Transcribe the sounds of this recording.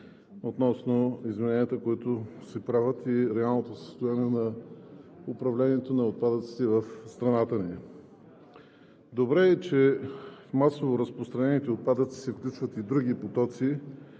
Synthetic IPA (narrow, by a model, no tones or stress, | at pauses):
ot̪nɔsnoizmɛnɛniət̪əkoit̪osɛpɾavət̪iɾɛalˠnot̪osə̥st̪ojaniɛnɐ | ʊpɾɐvlʲɛniɛt̪onɐot̪̚pad̪ət̪si̥t̪ɛvɐfst̪ɾɐnat̪əni | d̪obɾɛːt͡ʃɛ | masovoɾəspɾost̪ɾɐnɛnit̪ɛot̪̚pad̪ət̪si̥sɛfklʲut͡ʃvət̪id̪ɾuɡ̟ipot̪ɔt̪si